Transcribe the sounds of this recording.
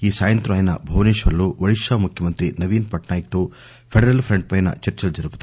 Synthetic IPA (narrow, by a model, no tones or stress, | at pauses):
iːsaːjɐnt̪ɾɐʋaːjɐnɐ̰bʱɐʋniːʃʋɐlːuʋɐɭiʂɐmukʰjɐmɐnt̪ɾinɐʋiːnpɐʈnaːjɐk̚t̪u | pʰeɖeɾɐlpʰɾeɳɖ̚pɐjnɐ̰t͡ʃɐɾt͡ʃɐld͡ʒɐɾuput̪